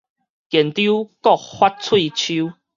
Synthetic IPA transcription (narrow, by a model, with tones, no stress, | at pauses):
kjɛ˨˩nt̪ju˦kɔ˥˨k̚hwa˦t̚t͡sʰwi˥˧t͡ɕʰu˦